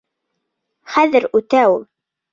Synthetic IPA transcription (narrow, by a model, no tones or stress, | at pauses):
χæðɘɾʉt̪æulˠ